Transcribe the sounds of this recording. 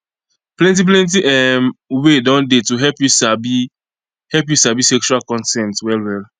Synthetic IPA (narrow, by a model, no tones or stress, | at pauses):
plɛ̃nt̬ip̬lɛ̃nt̬iʔɛmwedɔ̃ndetuɦɛpjusabi | hɛlp̬jusabisɛkt͡ʃualkɔ̃ntɛ̃ntwɛlwɛl